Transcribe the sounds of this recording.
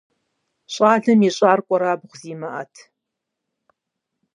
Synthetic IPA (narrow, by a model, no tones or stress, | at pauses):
ɕʼaːɮɐmiɕʼaːrkʷʼɔɾaːbʁʷziːmɐʔɐ̰tʰ